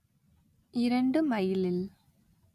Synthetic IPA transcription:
iɾɐɳɖɨmɐjilil

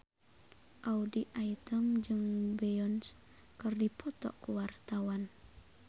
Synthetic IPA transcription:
ʔaudiʔait̪əmd͡ʒɨŋbeɔns | kərdipʰɔt̪ɔ̰ʔkuwart̪awan

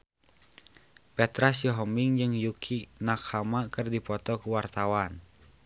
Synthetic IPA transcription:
pɛt̪ɾasjɔɦɔmbiŋd͡ʒɨŋjukʰinakhamakɨrdipɔt̪ɔkuwart̪awan

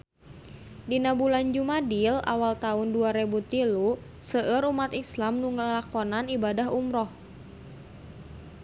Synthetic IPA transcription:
dinabuland͡ʒumadila̰walt̪aunduaɾebut̪ilu | səʔəɾumat̪islamnuŋəlakɔnanibadaɦumɾɔh

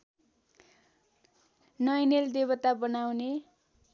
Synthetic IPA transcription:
nʌjneld̪ebʌt̪abʌnawne

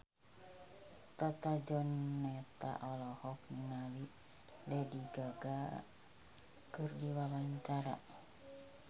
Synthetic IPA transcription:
t̪at̪ad͡ʒɔnːɛt̪a̰ʔɔlɔhɔkniŋali | lɛdiɡaɡa | kɨrdiwawaɲt͡ʃaɾa̰

